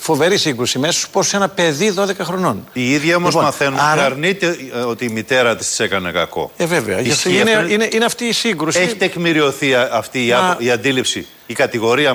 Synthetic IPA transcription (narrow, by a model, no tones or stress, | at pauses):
fo̞ve̞ɾisiŋɡɾusimeso̥spossenɐpe̞ðiðo̞ðe̞kɐxɾo̞no̞niiðʝɐomozmɐθenunɐɾɐɾnit̪e̞o̞t̪iːmit̪e̞ɾɐt̪i̥st̪i̥se̞kɐne̞kɐ̰ko̞̰eveveɐineineʔineɐft̪iːsiŋɡɾuseçit̪ekmiɾio̞θiɐft̪iːɐiɐnd̪ilipsiː | kɐt̪iɣo̞ɾiɐ